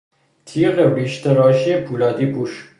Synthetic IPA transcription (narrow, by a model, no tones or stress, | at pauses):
t̪ʰiːʁeɾiʃt̪eɾɒːʃiepʰuːlɒːd̪iːbuʃ